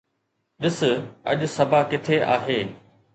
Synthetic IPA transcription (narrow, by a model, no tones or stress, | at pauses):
ɗɪsɪɐ̰ʄʊ̆sɐbʱakɪt̪ʰeʔa̰ːɦeː